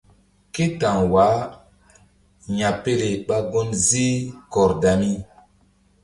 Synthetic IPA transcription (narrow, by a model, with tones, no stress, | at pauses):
ke˦ta˨ŋwa˨˦ | ɲa˨pe˦le˨ɓa˦ɡo˦nzi˦kɔ˨ɾda˨mi˦